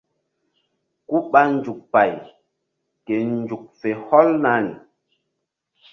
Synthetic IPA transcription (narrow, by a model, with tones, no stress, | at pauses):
ku˦ɓa˦n˦d͡ʒu˨k̚pa˨j | ke˨n˦d͡ʒu˨k̚fe˨hɔ˦lna˦nḭ˨